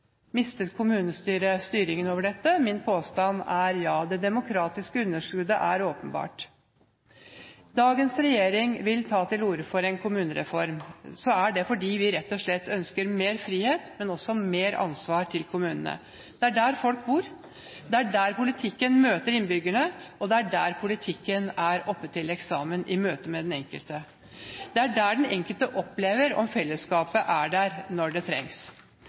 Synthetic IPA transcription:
mɪst̪ət̪kʰʊmʉːnəst̪yːɾəst̪yːɾɪŋənoːʋəɖɛt̪ːəmɪnpʰoːst̪ɑnæɾjɑːd̪ɛd̪ɛmʊkʰɾɑːt̪ɪskəʉnːəʂkʉd̪əʔæɾoːpənbɑ̰ːʈ | d̪ɑːɡənsɾɛjeːɾɪŋʋɪlt̪ʰɑːt̪ɪluːɾəfɔɾɛnkʰʊmʉːnəɾɛ̰fɔɾmsɔæɖɛfɔɖiːʋɪɾɛt̪ːɔʂɭɛt̪ːœnskəɾmeːɾfɾiːheːt̪mɛnɔsɔmeːɾɑ̰nsʋɑːɾʈ̪ʰɪlkʰʊmʉːnə̰nə̰ | d̪̥ɛæɖæɾfɔlk̚buːɾ | d̪ɛæɖæːɾpʊlɪt̪ʰɪkːənmøːt̪əɾɪnbʏɡəɳəʔɔd̪ɛæɖæːɾpʰʊlɪt̪ʰɪkːənæɾɔpːət̪ʰːɪlɛksɑːmənʔɪmøːt̪əmɛd̪ɛnɛŋkəlt̪ə | d̪̥ɛæɖæɖɛnɛŋkəlt̪əʔɔpːleːʋəɾɔ̰mfɛlːəskɑːpəʔæɖæɾnɔɖɛt̪ʰɾɛ̰ŋs

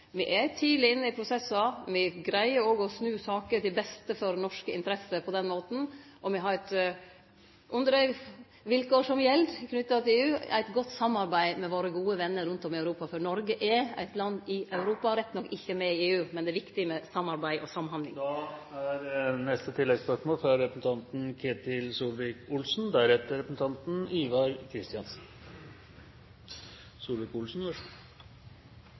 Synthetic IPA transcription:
ʋɪʔɛt̪ʰiːlɪɪnːəɪpʰɾʊsɛsɑmɪɡɾæɪəɾɔɡɔsnʉːsɑːkəɾt̪ɪlbɛst̪əfɔɾnɔʂkəɪ̰nt̪əɾɛsəpʰɔd̪ɛnmoːt̪n̩ | ʔɔmɛɦɑɾɛt̪ | ʔʉnd̪ɾə | ʋɪlkoːʂɔmjɛld̪kʰnʉt̪ːɑt̪ʰɪleːʉːæ̰ɪt̪ɡɔt̪ːsɑmːɑɾbæɪmɛʋoːɾəɡuːəʋɛnːəɾʉnt̪ɔmɪɑʉɾuːpɑfɔɾnɔɾɡəʔɛæ̰ɪt̪lɑnːɪʔɑʉɾuːpɑɾɛt̪ːnɔkːɪçːəmɛɪeːʉːmɛnd̪ɛːʋɪkt̪ɪmɛsɑmːɑɾbæɪʔɔsɑmːɦɑnd̪lɪ̰ŋd̪ɑæɾnɛst̪ət̪ʰɪlːɛɡspœʂmoːlfɾɑɾɛpɾəsn̩t̪ʰɑnt̪nkʰeːt̪ɪlsuːlʋɛkʊlsnd̪æɾɛt̪ːəɾɛpɾsn̩t̪ʰɑnt̪n̩iːʋɑɾkʰɾɪst̪ɪɑnsn̩ | suːlʋɛkʊlsn̩ʋɔ

